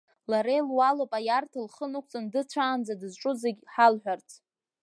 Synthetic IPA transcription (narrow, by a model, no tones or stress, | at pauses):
laɾejlwalopʼajartʰalχənɨk̚ʷʰt͡sʼɨndɨt͡ɕʷʰaːnd͡zadɨzʈ͡ʂʼʊzeɡʲħalħᶣʷart͡sʰ